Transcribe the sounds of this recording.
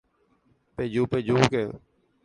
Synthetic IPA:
peːd͡ʒuːpeːd͡ʒuːkeː

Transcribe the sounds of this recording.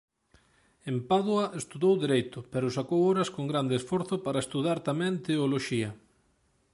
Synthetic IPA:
empaðoɐʔest̪uðowðiɾejt̪ʊpɛɾʊsakowoɾɐskoŋɡɾand̪esfɔɾθʊpaɾɐest̪uðaɾt̪amɛ̃nt̪eoloʃiɐ

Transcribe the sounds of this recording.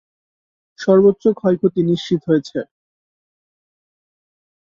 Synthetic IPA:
ʃɔɾbotːɕokʰɔjkʰot̪iniʃt͡ɕit̪ɦojet͡ɕʰe

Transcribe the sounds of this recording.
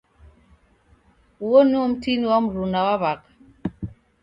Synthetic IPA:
wonum̩tinwɔmɾunawaβak̚

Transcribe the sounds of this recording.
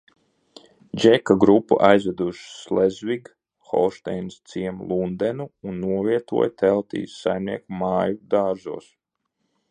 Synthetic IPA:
d͡ʒɛkaɡɾupːṵʔajzvɛd̪uʃslezviɡ | xɔ̰lˠʃt̪ɛjnst̪siɛmlˠund̪ɛnuunːuɔviɛt̪ṵɔjt̪ɛlˠt̪ḭːsːajmniɛkumaːjud̪aːɾʒṵːs

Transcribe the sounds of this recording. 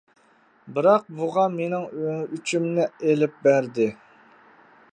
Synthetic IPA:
bɨɾɑq̚buʁɑmenɪŋøyt͡ʃʰymnɪelɪp̚bæɾd̪ɪ

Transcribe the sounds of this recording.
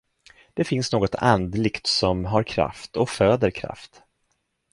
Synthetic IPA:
d̪̥ɛfɪnsnoːɡɔt̪a̰nd̪lɪkt̪sɔmɦaɾkʰɾa̰ft̪ɔføːd̪əɾkʰɾa̰ft̪

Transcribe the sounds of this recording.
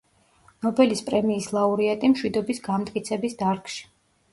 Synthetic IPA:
nɔbɛlispʼɾɛmiːslˠauɾiat̪ʼimʃwid̪ɔbisɡamt̪ʼkʼit̪sʰɛbisd̪aɾkʃi̥

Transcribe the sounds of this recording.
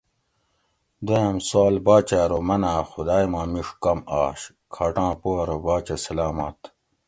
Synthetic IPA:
d̪eɐmsaːlbaːt͡ɕaːɾomɐnaːxud̪aːjmãːmiʂkɐmaːɕ | kʰaːʈãːpoːɾobaːt͡ɕesɐlaːma̰ːt̪

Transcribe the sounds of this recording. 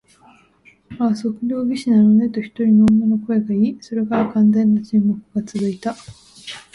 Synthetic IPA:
aso̞kɯ̟ɾʲo̞ːbʲiɕinanone̞t̪oçi̥t̪o̞ɾʲinoːmːonoko̞e̞ɡaiːso̞ɾe̞kaɾakãnzẽ̞nːat͡ɕĩmːokɯ̟ɡ̥at͡sɨzɨit̪a

